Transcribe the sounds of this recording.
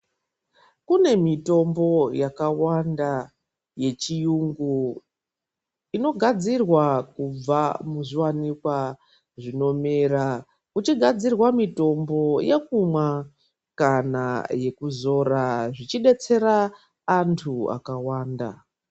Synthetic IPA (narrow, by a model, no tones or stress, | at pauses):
kune̞mito̞mbo̞jakawanda | je̞t͡ʃijuŋɡu | ino̞ɡʱad͡zirwakub͡vamuʐiwanikwa | ʐino̞meɾa | ut͡ʃiɡʱad͡zirwamito̞mbo̞jekumwa | kanaje̞kuzo̞ɾaʐit͡ʃiɗe̞t͡se̞ɾaː | ntʰua̰kawaːnda̰